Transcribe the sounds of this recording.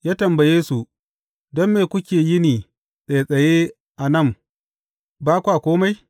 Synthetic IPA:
jaː˦tɐ˨mbɐ˨jeː˦su˨ | dɔ˦mːeː˨kʷʊ˦kʲeː˨jɪ˦niː˨ | sʼɐ˨jsʼɐ˨jeː˦ | ʔa˨nɐ˦˨m | baː˦kʷaː˨kʷoː˦ma˦j

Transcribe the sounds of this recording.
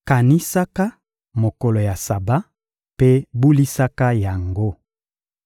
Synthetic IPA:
ka˨ni˦sa˦ka˦ | mo˨ko˨lo˨ja˨sa˨ba˦ | pe˦bu˦li˦sa˦ka˦ja˨ŋɡo˦

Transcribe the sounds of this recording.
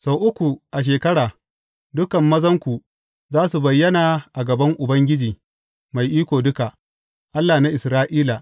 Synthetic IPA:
sa˨wʔʊ˦kʷu˨ʔa˨ʃ̬eː˨kɐ˦ɽaː˨ | dʊ˦kɐ˨mːɐ˦zɐ˦ŋkʷu˨ | zaː˦su˨bɐ˨jːɐ˦naː˨ʔa˨ɡɐ˨bɐ˦ŋʔʊ˨bɐ˦ŋɡʲɪ˦d͡ʒiː˨ | ma˨jʔiː˦kʷoː˨dʊ˦ka˨ʔ | ʔa˦lːaː˨na˦ʔɪ˨sɾaː˦ʔiː˦la˨

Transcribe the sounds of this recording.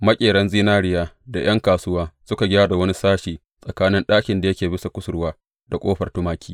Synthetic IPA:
mɐ˦kʲʼeː˨ɽɐ˦nziː˦naː˦ɽɪ˦jaː˦da˨j̰ɐ˦ŋkaː˨sʊ˦waː˦sʊ˦ka˨ɡʲaː˦da˨wɐ˦ni˦saː˦ʃiː˨ | sʼɐ˨kaː˦nɪ˦nɗaː˦kʲɪ˨nda˨jɐ˦kʲeː˨bɪ˦sa˨kʷʊ˦sʊ˨rwaː˦ | da˨kʷʼoː˦ɸɐ˨rtʊ˦maː˦kʲiː˦

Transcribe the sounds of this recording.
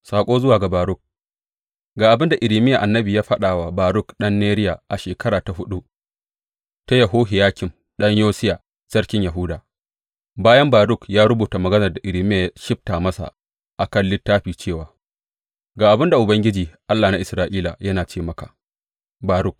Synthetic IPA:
saː˨kʷʼoː˦zʊ˦waː˨ɡa˨baː˨ɾʊ˦k̚ | ɡaː˨ʔa˨bɪ˦nda˨ʔɪ˨ɾiː˨mɪ˦jaː˨ʔa˨nːɐ˦biː˨jaː˦ɸɐ˦ɗaː˨wa˨baː˨ɾʊ˦˨kɗɐ˦nːeː˦ɾɪ˦ja˨ʔa˨ʃeː˨kʰɐ˦ɾaː˨ta˨ɦʊ˦ɗu˦ | ta˦jɐ˨ɦoː˦ɦɪ˨jaː˦kʲɪ˨m | ɗɐ˦ɲjoː˦sɪ˦jaː˨ | sɐ˦rkʲɪ˦ɲjɐ˨ɦʊ˦daː˨ | baː˦jɐ˦mbaː˨ɾʊ˦˨kjaː˦ɾʊ˦buː˨ta˨mɐ˨ɡɐ˦nɐ˨rda˨ʔɪ˨ɾiː˨mɪ˦jaː˨jʃɪ˦ɸ̚taː˨mɐ˦sa̰˨ | ʔa˨kɐ˦˨nlɪ˦tːaː˦ɸiː˨t͡ʃeː˦˨waː˨ | ɡaː˨ʔa˨bɪ˦nda˨ʔʊ˨bɐ˦ŋɡʲɪ˦d͡ʒiː˨ʔa˦lːaː˨na˦ʔɪ˨sɾaː˦ʔiː˦la˨jɐ˦naː˨t͡ʃeː˦mɐ˨ka̰ː˨ | baː˨ɾʊ˦k̚

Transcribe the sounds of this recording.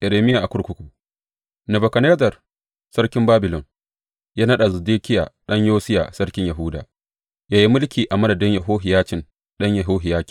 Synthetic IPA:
ʔɛ˨ɾeː˨mɪ˦ja˨ʔa˨kʷʊ˦ɽkʷʊ˦kʷuː˨ | nɛ˨bɐ˨kɐ˨ne˦zɐ˨r | sɐ˦rkʲɪ˦mbaː˦bɪ˨lɔ˨n | jaː˦nɐ˦ɗa˨zɐ˨deː˦kʲɪ˦ja̰ː˨ɗɐ˦ɲjoː˦sɪ˦ja̰ː˨sɐ˦rkʲɪ˦ɲjɐ˨ɦu˦da̰ː˨ʔ | jaː˦ji˦mʊ˦lkʲiː˨ʔa˨mɐ˦nɐ˨dɐ˦ɲjɐ˨ɦoː˦ɦɪ˨jaː˦t͡ʃɪ˨n | ɗɐ˦ɲjɐ˨ɦoː˦ɦɪ˨jaː˦kʲi̥˨

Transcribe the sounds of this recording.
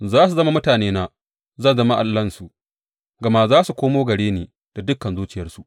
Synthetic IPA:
zaː˦su˨zɐ˦ma˦mʊ˦taː˨neː˦naː˦ | zɐ˦˨zɐ˦ma˦ʔa˨lːɐ˦nsu˨ʔ | ɡɐ˨ma˦zaː˦su˨kʷoː˦moː˦ɡɐ˨ɽeː˦neː˨ | d̥a˨dʊ˦kːɐ˨nzuː˦t͡ʃɪ˨jɐ˦rsu˨ʔ

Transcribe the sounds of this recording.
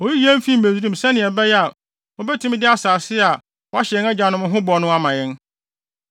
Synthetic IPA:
ɔ˨ji˦ji˦æ̃˦m˦fi˦m̩˨mẽ˨di˦ɾũ˦˨m˨sɛ̃˦nɪ̃˨ɛ˨bɛ˦jɛ˦a˨ | ɔ˦bɛ˦tʰũ˦m˦dɪ˦a˦saː˨sɪ˦a˨ | wɔ˦a˦ɕɛ˨ŋɛ˦d͡ʑã˨nʊ̃˦m̃˦ɦʊ̃˦bɔ˨˦nʊ̃˦a˦mã˨jɪ̃˦n

